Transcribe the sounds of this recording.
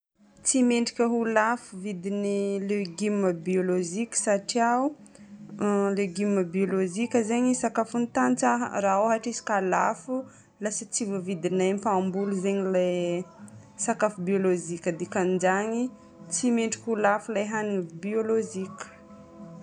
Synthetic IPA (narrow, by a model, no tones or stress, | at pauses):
t͡simeɳɖ͡ʐikʲəɦulafuvid̪inileɡimːəbiolozikʲə̥saʈ͡ʂiaw | leɡimːəbiolozikʲəzeɲisakafunt̪ant͡sa̰raoɦaʈ͡ʂisi̥kalafu | lasət͡sivuvid̪inajmpambuluzeɲilaj | sakafubiolozikʲəd̪ikand͡ʒaɲi | t͡simeɳɖ͡ʐikʲulafulajɦanibioloʒikʲə̥